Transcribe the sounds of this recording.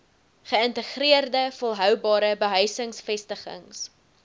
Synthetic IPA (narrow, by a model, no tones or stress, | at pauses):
χəəntəχriərdəfolˠɦœwbɑːɾəbəɦœɥsəŋsfɛstəχə̰ŋs